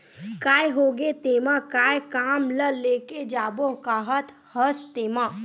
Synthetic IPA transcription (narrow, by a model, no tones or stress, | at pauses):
kaːjɦoɡet̪emãkaːjkaːmləleked͡ʒaːbokaɦət̪ | həst̪emã